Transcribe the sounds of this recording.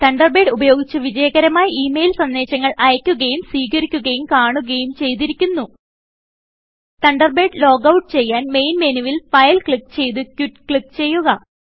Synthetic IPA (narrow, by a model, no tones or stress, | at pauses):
t̪ɐɳɖɐrbe̞ːɖubɐjo̞ːɡit͡ɕːɨʋid͡ʑɐjɐɡɐɾɐmaːjɐʔiːmejlsɐnd̪e̞ːt͡ɕːɐŋːɐɭʔɐjɐkʲːuɣɐjumsiːɣɐɾikʲːuɣɐjumkaːɳuɣɐjumt͡ɕe̞jt̪iɾikʲːunːu | t̪ɐɳɖɐrbe̞ːɖlo̞ːɡɐwʈːɨt͡ɕe̞jːaːnme̞jnmeniʋilfɐjlkɭikːt͡ɕe̞jt̪̬uɨkʲːukɭikːt͡ɕe̞jːuɣɐ